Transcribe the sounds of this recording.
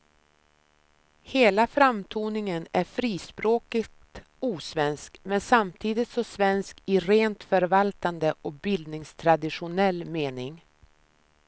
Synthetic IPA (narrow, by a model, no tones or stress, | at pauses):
heːlafɾamt̪ʰuːnɪŋənæɾfɾiːspɾoːkɪtt̪ | uːsvɛnskmɛnsamt̪ʰiːd̪ɪt̪sɔmsvɛnskɪɾeːnt̪fœɾvalt̪and̪əʔɔk̚bɪld̪nɪŋst̪ʰɾad̪ɪɧʊnɛlːmeːnɪŋ